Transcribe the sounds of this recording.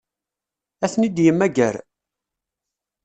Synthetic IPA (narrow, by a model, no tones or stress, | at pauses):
æθnid̪jəmːæɡæɾ